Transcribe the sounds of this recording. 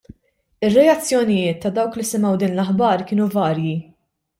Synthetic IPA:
ɪrːɛjɐt͡sːjɔnɪjɪːt̪ːɐd̪ɐwklisɪmɛwd̪ɪːnlɐħbɐɾkɪːnuvɐːɾji

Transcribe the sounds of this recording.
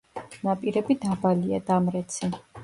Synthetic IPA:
napʼiɾɛbid̪abalia̰d̪amɾɛt̪sʰi

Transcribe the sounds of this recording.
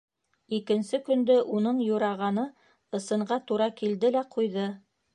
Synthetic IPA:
ikɘ̆nsɘkɵ̆nd̪ɵʔunɤɴjuɾɑʁɑnɤ | ɤ̆sɤ̆ɴɢɑt̪uɾɑkild̪ɘlæqʰujðɤ

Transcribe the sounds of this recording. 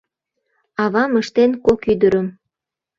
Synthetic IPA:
ɑβɑməʃt̪enkokyd̪əɾəm

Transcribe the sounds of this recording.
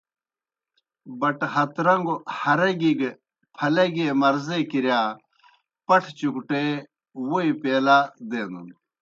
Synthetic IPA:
bɐʈhɐt̪ɾɐŋɡohɐɾɐɡiɡe | pʰɐlɐɡeːmɐɾzekiɾjaː | pɐʈʰt͡ɕukuʈe | woipeːlad̪eːnṵn

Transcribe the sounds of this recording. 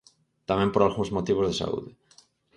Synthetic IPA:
t̪amɛ̃mpoɾalɣũŋzmot̪iβ̞ozðesa̰ṵðɪ

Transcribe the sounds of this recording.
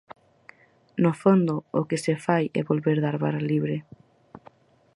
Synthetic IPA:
nofond̪ʊʊkɪsefajɛ̰βolβeɾðaɾβaɾaliβɾɪ

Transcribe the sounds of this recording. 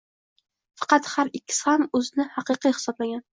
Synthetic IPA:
fɑ̥qɑt̪haɾɪkʲːɪ̥sɪhamɵzɪnɪhɑqɨqijhɪ̥sɒblaɡʲan

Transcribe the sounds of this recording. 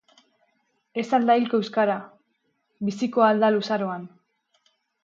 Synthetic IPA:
e̞sald̪ailkoewskaɾa | bisikoald̪alusaɾo̞an

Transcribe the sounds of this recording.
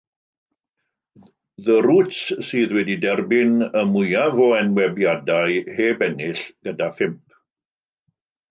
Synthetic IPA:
ðəɾutssɨːðwɛdidɛrbɪnəmʊjavɔɛnwɛbjadaɨheːbɛnɪɬɡ̥ədafɪmp̚ʰ

